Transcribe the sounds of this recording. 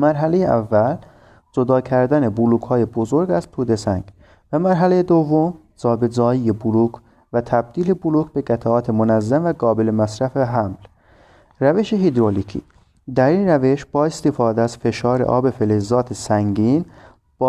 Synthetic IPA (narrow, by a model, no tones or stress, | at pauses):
mæɾɦæle̞jeʔævːæl | d͡ʒod̪ɒːkʰæɾd̪æne̞buluːkhɒːjebozoɾɡæzt̪ʰuːd̪e̞sæŋɡ | væmæɾɦælejed̪ovːom | zɒːbezɒːjijebuluːkʰ | væt̪ʰæb̚d̪̥iːle̞buluːkbe̞ɡæt̪ʰæɒːt̪ʰemonæzːæmvæɡɒːbe̞lemæsɾæfeɦæml | ræve̞ʃeɦid̪ɾolicʰḭː | d̪æɾiːnræve̞ʃb̥ɒːest̪efɒːd̪eæz̥fe̞ʃɒːɾḛʔɒ̰ːbe̞felezːɒːt̪ʰesæŋɟiːn | b̥ɒ